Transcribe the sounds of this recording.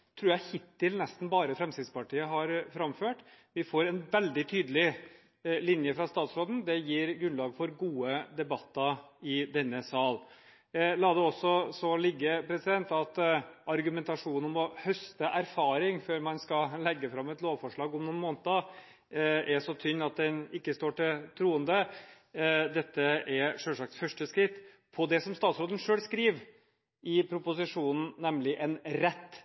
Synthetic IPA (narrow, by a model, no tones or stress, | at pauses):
t̪ʰɾʉːjæɪhɪt̪ːɪlnɛst̪n̩bɑːɾəfɾɛmst̪ɪd̪spɑʈʰiːəɦɑɾfɾɑmføːʈ | ʋɪfoːɾɛnʋɛld̪ɪt̪ʰyːd̪əlɪ | lɪnjəfɾɑst̪ɑːt̪sɾoːd̪n̩d̪ɛjiːɾɡɾʉnlɑːɡfɔɾɡuːəd̪ɛbɑt̪ːɑɪd̪ɛnːəsɑːl | lɑːd̪ɛɔsːɔsɔlɪɡːəpʰɾɛsɪd̪ɛnt̪ɑt̪ʔɑɾɡʉmɛnt̪ɑʂuːnɔmɔhœst̪əʔæɾfɑːɾɪŋføːɾmɑnskɑlɛɡːəfɾɑmːɛt̪loːʋfɔʂɭɑːɡɔmnʊːnmoːnt̪ə | ɛʂɔt̪ʰʏnːɑt̪̚d̪ɛnɪkːəst̪oːʈɪt̪ʰɾuːənd̪ə | d̪ɛt̪ːəʔɛɾʂœlʂɑk̚t̪fœʂʈəskɾɪt̪ː | pʰɔd̪ɛsɔmst̪ɑːt̪sɾoːd̪ənʂøːlskɾiːʋ | ɪpʰɾʊpʊsɪʂuːnn̩nɛmlɪʔɛnɾɛt̪ː